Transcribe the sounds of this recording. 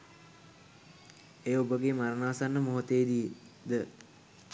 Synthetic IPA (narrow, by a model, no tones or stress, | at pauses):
ejubəɡemaɾənaːsanːəmoɦot̪eːd̪ije | d̪ə